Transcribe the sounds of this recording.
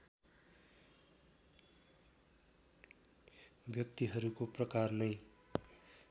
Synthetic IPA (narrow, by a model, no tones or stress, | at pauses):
bjʌk̚t̪iɦʌɾukoprʌkarnʌj